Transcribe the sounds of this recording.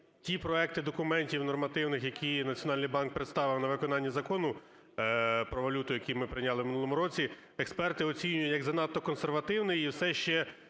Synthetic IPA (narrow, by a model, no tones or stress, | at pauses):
tʲipɾɔɛk̚t̪ɪd̪ɔkʊmɛnʲtʲiwnɔrmɐt̪ɪwnɪxjɐkʲinɐt͡sʲjɔnɑlʲnɨjbɑnk̚pɾet̪st̪ɑʋɪwnɐʋɪkɔnɑnʲːɐzɐkɔnʊ | pɾɔʋɐlʲut̪ʊjɐkʲimɪpɾɪjnʲɑlˠɪwmɪnulˠɔmʊɾɔt͡sʲi | ɛkspɛrt̪ɪɔt͡sʲinʲʊjʊtjɐɡzɐnɑt̪ːɔkɔnserʋɐt̪ɪwnɪjiwsɛʃt͡ʃɛ